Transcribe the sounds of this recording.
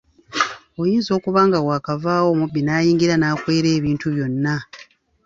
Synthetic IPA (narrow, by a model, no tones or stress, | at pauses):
ojiːnzo̞ːkuβaːŋɡawaːkavaːwo̞ːmubːinaːjiːŋɡiɾanaːkweːɾe̞ːβiːntuβjo̞nːa